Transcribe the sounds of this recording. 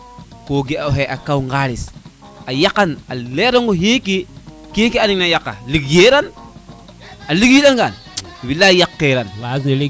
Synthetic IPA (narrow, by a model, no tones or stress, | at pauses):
koːɡeaɦeʔakawŋɡaːlis | ajakːanaleɾoŋɡoɦeki | kekianiŋnajakːa̰likjeɾan | alikjiɗanɡan | bilajakːeɾanae